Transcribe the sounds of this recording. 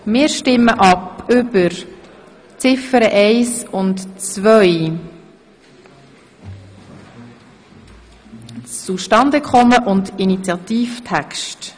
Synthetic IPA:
mɪːɾʃtɪmːəʔɑpʏbəɾ | t͡sɪfəɾəʔɛɪsʊntt͡svœʏj | t͡suʃtɑnd̪əkχɔməʔʊndinit͡sjɑt̪iːftʰækʃt

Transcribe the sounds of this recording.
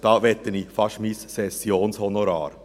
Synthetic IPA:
d̥ɑːʋɛt̪ənifɑʃmisːɛsjoːnshɔnoɾɑ̰ːɾ

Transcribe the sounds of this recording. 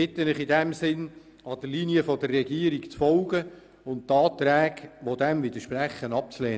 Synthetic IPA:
ɪt̪ːənɪχɪdæmsɪn | ɑd̥̪əɾliːniəfɔd̪ərːɛɡiːəɾikt͡sfɔlɡə | ʊnttːɑːt̪ɾæːɡʋod̪ɛmʋɪd̪əʃpræχːənɑp̚t͡sleː

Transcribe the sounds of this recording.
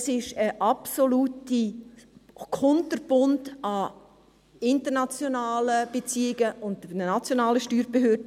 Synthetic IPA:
sɪʃəʔɑpsoluːti | kʰɔntəɾb̥ʊndɑ | ɪntəɾnat͡sjonaːləb̥et͡siːɪɡəʔʊndnnat͡sjonaːləʃtyːɾb̥eɦøːdə

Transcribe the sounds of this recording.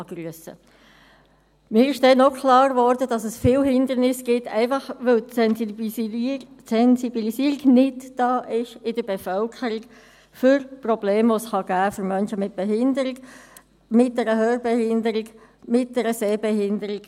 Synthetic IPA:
ɑɡ̥ryəsə̰ | mɪːɾɪʃd̥ɛnːɔkʰlɑːɾvɔɾdəd̥ɑsəsfɪːlhɪnd̪əɾnɪsɡ̥ɪtʰːɛ̰ɪfɑχʋœl | sɛnsibilisiəɾɪɡnɪtd̥ɑːʔɪʃɪdəbɛfœlkʰəɾɪɡ | fʏɾprɔbleːmvosχɑɡæːfʏɾmœnʃəmɪt̚b̥ɛɦɪndəɾ | mɪt̚d̥ɛɾəhøːɾbɛhɪndəɾɪɡ | mɪt̚d̥ɛɾəseːbɛhɪndəɾɪɡ̥

